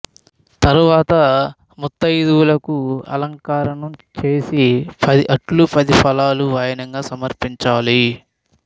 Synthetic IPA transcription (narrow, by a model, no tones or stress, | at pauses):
t̪ɐɾuʋaːt̪ɐ | mut̪ːɐjid̪uwulɐkuɐ̰lɐŋkaːɾɐɳɐmt͡ʃe̞ːsipɐd̪iʔɐʈlupɐd̪ipʰɐlaːluʋaːjɐnɐŋɡaːsɐmɐɾpiɲt͡ʃaːli